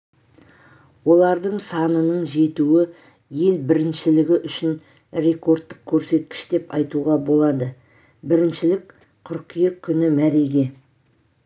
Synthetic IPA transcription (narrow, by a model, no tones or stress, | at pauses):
wo̞lˠɑɾd̪əɴsɑnənəɴʒe̞t̪uɪ | je̞lbɪɾɪnʃɪlɪɡʲɪʔʏʃɪn | ɾe̞ko̞ɾt̪ːəq̚kʲʰːɵɾse̞t̪̚kʲɪ̥ʃd̪e̞pɑjt̪uʁɑbo̞lˠɑd̪ə | bɪɾɪnʃɪlɪk | qʰʊɾqijekʲʰːʏnɪmæɾe̞ɡʲe̞